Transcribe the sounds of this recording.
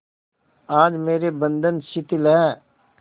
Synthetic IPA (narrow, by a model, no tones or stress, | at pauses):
aːd͡ʒmeːɾebə̃nd̪ənʃɪt̪ɪlɦɛː